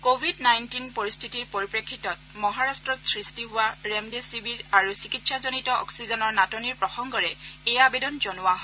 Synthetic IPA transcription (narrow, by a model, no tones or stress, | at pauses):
kobʱidnajntinpoɹist̪ʰitiɹpoɹipɹekʰːitɔt̚mɔɦaɹastɹɔtsɹistiɦʊwaɹɛmdesibiɹaɹusikitsazonitɔʔɔ̰ksizɔnɔɹnatɔniɹpɹɔxɔŋɡɔɹɛɛjabedɔnzonʊwaɦɔ